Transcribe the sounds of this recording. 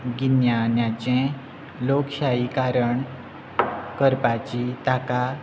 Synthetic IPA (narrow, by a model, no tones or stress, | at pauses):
ɡinjanjat͡ɕɛ̃ | lokɕaikaɾəɳ | kəɾpat͡ɕit̪aka